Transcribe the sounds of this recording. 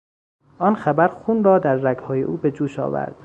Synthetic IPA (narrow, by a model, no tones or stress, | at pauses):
ʔɒːnxæbæɾxuːnrɒːd̪æɾːæɡhɒːjḛʔuːbe̞d͡ʒuːʃɒ̰ːvæ̰ɾd̪̥